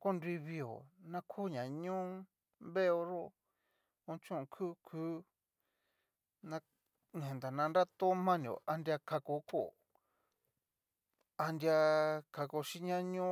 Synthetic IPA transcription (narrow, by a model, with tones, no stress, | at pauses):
ko˦ndi˧βi˧o̰˨nã˦kʰu˦ɲã˨ɲũ˦ | mβe˦o˧ɾo˦˨ | õ˧t͡ʃõ˦˧kʰu˦kʰu˦ | nã˧ | nẽ˨nd̪a˨nã˧nɾa˦t̪o˦mã˦nĩ˨o̰˨ʔa˧ndʲja˧ka˧ko˧˦ko˦˨ | a˧ndja˧kʰa˧ko˧ʃi˦ɲã˧ɲũ˦